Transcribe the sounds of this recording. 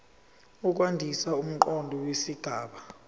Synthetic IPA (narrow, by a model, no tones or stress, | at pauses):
uk̬wandʱisaum̩ǃɔndʱɔwesiɡ̥ʱaːɓa